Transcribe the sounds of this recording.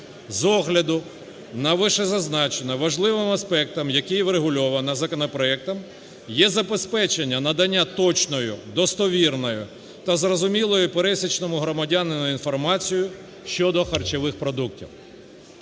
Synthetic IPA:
zɔɦlʲɐd̪ʊ | nɐʋɪʃɛzɐznɑt͡ʃenɐʋɐʒlˠɪʋɪmɐspɛk̚t̪ɐmjɐkɪjʋɾeɦʊlʲɔʋɐnɐzɐkɔnɔpɾɔɛk̚t̪ɐm | jɛzɐbespɛt͡ʃenʲːɐnɐd̪ɐnʲːat̪ɔt͡ʃnɔjʊ̰d̪ɔst̪ɔʋʲirnɔjʊ̰ | t̪ɐzrɔzʊmʲilˠɔjʊpeɾɛsʲit͡ʃnɔmʊɦɾɔmɐdʲanɪnɐinfɔrmɑt͡sʲijʊ | ʃt͡ʃɔd̪ɔxɐrt͡ʃeʋɪxpɾɔd̪uktʲḭw

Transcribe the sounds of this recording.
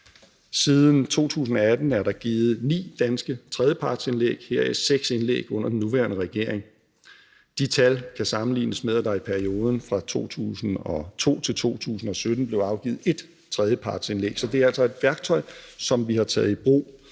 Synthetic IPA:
siːðˠn̩t͡sʰo̝̰ːt͡sʰṵːsn̩ɒ̽æd̥n̩æɐɾɑ̈ɡ̥iːð̞̩ˠnḭːd̥ænsɡ̥ət͡sʰʁɛð̞jəpʰɑ̈ːd̥se̝nlḛːɡ̥heɐ̰iseɡ̥senlḛːɡ̥ɔ̽n̰ɐd̥enːuʋæ̰ːɐnəʁɛɡ̥e̝ɐ̰eŋ | d̥it͡sʰælkʰæsɑ̈mn̩lḭːnəsmeðˠæd̥ɑ̈ɪipʰæɐio̝ːð̞ˠən̩fʁɑ̈t͡sʰo̝̰ːt͡sʰṵːsn̩ɒ̽t͡sʰo̝̰ːt͡sʰe̝lt͡sʰo̝̰ːt͡sʰṵːsn̩ɒ̽sød̥n̩b̥le̝ʊɑ̈ʊɡ̥iːð̩ˠe̝d̥ | t͡sʰʁɛð̞ˠjəpʰɑ̈ːd̥se̝nlḛːɡ̥sɒ̽d̥e̝æɐæl̰sɒ̽e̝d̥ʋæɐɡ̥̚t͡sʰɒ̽ɪsɒ̽mʋihɑ̈t͡sʰɛ̰ːð̞ˠib̥ʁo̰ː

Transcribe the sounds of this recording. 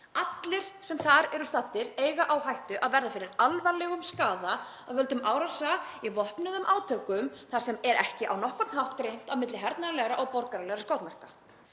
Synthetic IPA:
at̪lɪɾ̥sɛmθaɾɛɾʏst̪at̪ːɪɾeːjɣaʔawθajht̪ʏʔaðvɛɾðafɪːɾɪɾalvaɾlɛɣʏmskaːða | aðvɛlt̪ʏmʔaːwɾasaivɔhpnʏðʏmʔaːwt̪ʰœkʏmθaɾ̥sɛmɛɾɛhcɪʔawnɔhkɔt̪nhawht̪kɾejn̥t̪awmɪt̪lɪɦɛɾt̪naɾalɛɣɾaʔɔɣpɔɾkaɾalɛɣɾaskowt̪mɛr̥ka

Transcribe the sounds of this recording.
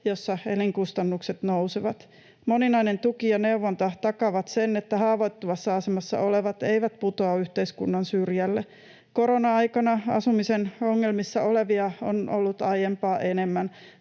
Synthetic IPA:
josːɑeliŋkust̪ɑnːukset̪nouseʋɑt̪ | moninɑinent̪ukijɑneuʋːont̪ɑt̪ɑkɑʋɑt̪senet̪ːæɦhɑːʋot̪ːuʋɑsːɑɑsemɑsːɑ̰ʔoleʋɑt̪ejʋæt̪put̪oɑyht̪eiskṵnːɑnsyrjælːe | koɾonɑɑjkɑnɑɑ̰sumisenoŋːe̞lmisːɑoleʋiɑo̰nʔo̰lːut̪ɑjempɑːʔenemːæn

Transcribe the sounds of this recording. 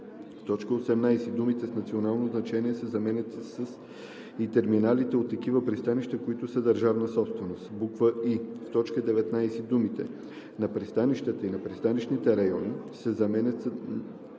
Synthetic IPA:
ft̪ɔt͡ʃkəosɛmnajsɛd̪umit̪ɛsnɐt̪sionalˠnoznɐt͡ʃɛniɛsɛzɐmɛnʲət̪isəs | it̪ɛɾminalit̪ɛot̪ːɐk̟ivəpɾist̪aniʃt̪əkoit̪ʊsəd̪ɐɾʒavnəsɔpst̪vɛnost̪bukvəift̪ɔt͡ʃkəd̪ɛvɛt̪najsɛd̪umit̪ɛ | nɐpɾist̪aniʃt̪ət̪əinɐpɾist̪anit͡ʃnit̪ɛɾɐjɔnisɛzɐmɛnʲət̪s

